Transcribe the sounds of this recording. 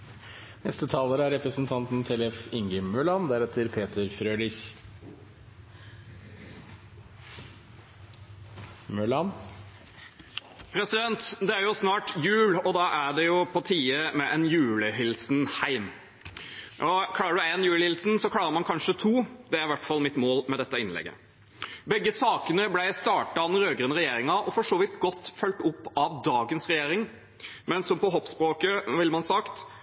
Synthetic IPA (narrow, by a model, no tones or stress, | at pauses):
nɛst̪ət̪ʰɑːləɾəæɾɛpɾəsn̩t̪ʰɑnt̪n̩t̪ʰɛlɛfɪŋɡəmœɭɑnd̪æɾɛt̪ʰːəɾpʰeːt̪əɾfɾøːlɪç | mœɭɑn | pʰɾɛsɪd̪ɛnt̪d̪ɛæɾjʊsnɑːʈjʉːlɔd̪ɑːʔæɖɛjʊpʰɔt̪ʰiːəmɛʔɛnjʉːləɦɪlsnhæɪm | ʔɔkʰlɑːɾəɖɛnjʉːləhɪlsn̩sɔkʰlɑːɾəɾmɑnkʰɑnʂət̪ʰuːd̪ɛæɾɪʋæʈfɑlmɪt̪moːlmɛd̪ɛt̪ːɑɪnlɛ̰ɡːə̰ | bɛɡːəsɑːkənəblæɪst̪ɑːʈɑɾøːɡɾʉːnɾɛjeːɾɪŋɑʔɔfɔʂoːʋɪt̪ɡɔt̪ːfœlʈ̪ʊpːɑʋd̪ɑːɡənsɾɛjeːɾɪŋ | mɛnsɔmpɔɦɔpːspɾoːkəʋɪlmɑnsɑkt̪